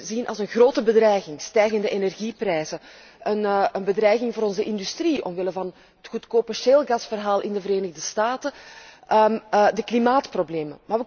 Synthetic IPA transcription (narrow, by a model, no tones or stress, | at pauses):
zinʔɑ̰lˠzənɣroːtəbədrɛjɣɪŋstɛjɣəndəʔenɛrɣiprɛːjzə | ʔənənbədrɛjɣɪŋvʊːɾɔnzəʔɪndystriɔ̰mʋɪləvɑn | ɦətxutkoːpəʃeːlˠɣɑsfərɦaːlˠʔɪndəvəɾeːnəɣdəstaːtəʔədəklimaːtprobleːmə̰maːrʋə